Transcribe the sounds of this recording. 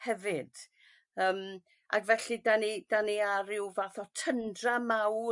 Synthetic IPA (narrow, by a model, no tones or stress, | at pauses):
hɛvɨd̥ | əːm | a̰ɡvɛɬidanid̥aniaɾɪwvaθɔtʰəndramaw